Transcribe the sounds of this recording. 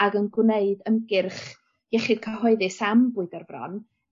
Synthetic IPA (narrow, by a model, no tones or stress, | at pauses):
aɡənɡwneɨdənɡɪrχ | jɛχɪd̥̚kʰəɦɔɨðɨsambʊɨdərvrɔ̰n